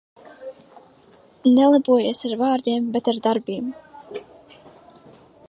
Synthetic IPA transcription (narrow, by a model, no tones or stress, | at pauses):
nɛlˠabuɔjeːsaɾvaːɾd̪iɛmbet̪aɾd̪aɾbiːm